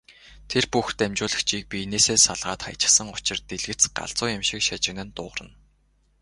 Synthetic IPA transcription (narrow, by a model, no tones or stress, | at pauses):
t̪ʰerpuxt̪æmt͡ɕʊːɮə̆xt͡ɕʰiːk̚pʲineːseːsaɮʁaːt̪χa̰jt͡ɕɪ̥̆χsə̆ŋʊt͡ɕɪ̆rt̪eɮɣɘ̆t͡sɢa̰ɮt͡sʊːjɪmʃɪkʃat͡ɕɪ̆ɣnɘ̆nt̪ʊ̰ːʁrə̆n